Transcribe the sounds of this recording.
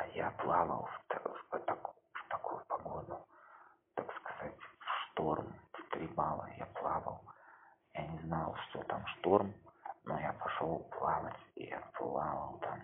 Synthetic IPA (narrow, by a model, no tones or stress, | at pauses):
japlˠavə̰lˠft̪t̪ak | ft̪ɐkujʊpɐɡod̪ʊt̪akskɐ̥z̥atʲfʂt̪o̞rmft̪ɾʲibalˠə̰ja̰plˠavə̰lˠjanʲɪznalˠʂt̪ot̪amʂt̪o̞rmnojapʰɐʂolˠplˠavətʲḭja̰plˠavəlˠt̪ʰam